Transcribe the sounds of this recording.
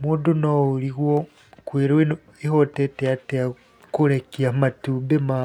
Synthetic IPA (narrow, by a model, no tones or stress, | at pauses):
muːdunouliɣwo | kwiɾi | ihotetejatea | kulekiamatubema